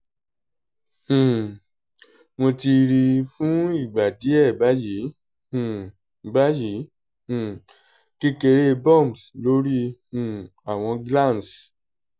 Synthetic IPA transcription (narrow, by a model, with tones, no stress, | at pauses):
mo˧ti˧ɾi˧fũ˦i˦˨ɡ͡ba˨di˨˦ɛ˦˨ba˨˦jĩ˨˦˨ | ba˦jĩ˨˦˨ | ki˧ke˧ɾe˧bɔ̃˦˨mslo˦ɾĩ˦˨ | a˨w̃ɔ̃˧ɡla˦˨s